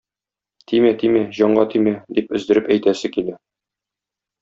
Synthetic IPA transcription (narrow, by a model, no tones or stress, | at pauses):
t̪ʰimæt̪imæʑɒɴɢɑt̪imæd̪ipɵ̆zd̪ɘ̆ɾɘpæjt̪æsɘkilæ